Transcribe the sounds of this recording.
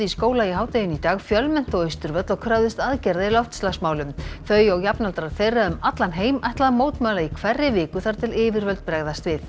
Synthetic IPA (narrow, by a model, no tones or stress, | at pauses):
iskoːwlaiɦaːwt̪ejʏnit̪aːɣfjœlmɛn̥t̪ɔœjst̪ʏɾvœt̪lɔwkʰɾawðɪst̪aðcɛɾðailɔft̪st̪lasmaːwlʏmθœɥjɔɣjapnalt̪ɾaðθejrːaʏmat̪lanɦeːjmajht̪laðmoːwt̪maːlaikʰv̥ɛrːɪvɪːkʏθaɾ̥t̪ʰɪlɪːvɪɾvœlt̪̚pɾɛɣðast̪vɪθ